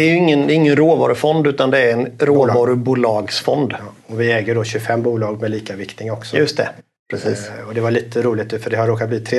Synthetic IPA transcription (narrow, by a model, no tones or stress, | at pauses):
ɛæɾjɵɪŋːənd̪ɛɪŋːənɾoːvɑ̰ːɾɵfɔnd̪ʉ̟ːt̪and̪ɛæɾɛnɾoːvɑːɾɵbuːlɑːɡsfɔnd̪ɔvɪɛːɡəɖɔɕɵfɛmːbuːlɑːɡ̚mɛliːkavɪkt̪ɪŋɔksɔjɵst̪ʰɛ̰ | pɾɛsiːɔd̪ɛvaɭiːt̪ʰəɾuːlɪt̪ɵfœɖɛhaɾːoːkat̪bliːt̪ʰɾeː